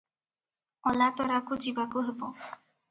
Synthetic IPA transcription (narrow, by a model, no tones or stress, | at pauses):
ɔlat̪ɔɾakud͡ʑibakoɦebo